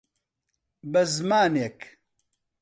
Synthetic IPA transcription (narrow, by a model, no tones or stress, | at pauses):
bɐzmaːnek